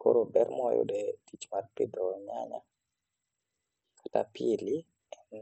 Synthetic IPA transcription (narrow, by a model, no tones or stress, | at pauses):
koɾobɛrmɔjo̰dɛtit͡ʃmarpidɔɲaɲa | kḁta̰pʰili | ɛn